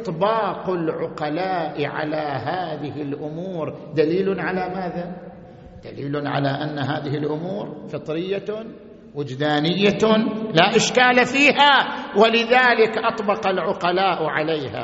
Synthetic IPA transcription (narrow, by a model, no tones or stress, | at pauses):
ʔt̪ˤbɑːqʊlʕʊqɑlaːʔʕa̰laɦaːðɪhɪlʔʊmuːɾd̪aliːlnʕalamaːða | d̪̥a̰liːlʊnʕa̰laʔanːaɦaːðɪhɪlʔʊmuːɾfɨt̪ˤɾɪjːa | wɪd͡ʒd̪aːnɪjːalaʔɪʃkaːlafiːhawalɪðaːlɪkʔɑt̪ˤbɑqalʕʊqɑlaːʔʕalejha̰